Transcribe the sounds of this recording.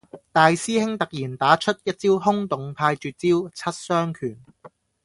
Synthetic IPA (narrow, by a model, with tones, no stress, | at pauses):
t̪aː˨jsiː˥hɪ˥ŋt̪ɐ˨k̚jiː˨˩nt̪aː˨˥t͡ʃʰɵ˥t̚jɐ˥t̚t͡siː˥wɦʊ˥ŋt̪ʊ˨˧ŋpʰaː˧jt͡ʃyː˨t̚t͡siː˥wt͡sʰɐ˥t̚sœː˥ŋkʰyː˨˩n